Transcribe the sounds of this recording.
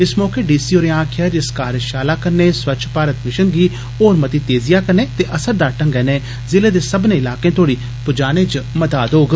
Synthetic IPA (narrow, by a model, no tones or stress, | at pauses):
ɪsmɔːkeːɖiːsiːoːɾẽãːkʰjəɾɪskaːɾəʃaːlaːkəɾneːswɐt͡ʃʰpaːɾət̪mɪʃənɡiː | oːɾmɐt̪iːt̪eːzɪjaːkəɾneːt̪eːʔɐsəɾd̪aːʈə̃ŋɡɛːneː | zɪleːd̪eːsəbnẽːɪlaːkẽːt̪oːɽiː | pʊd͡ʒaːñẽːt͡ʃməd̪aːd̪ɦoːɡ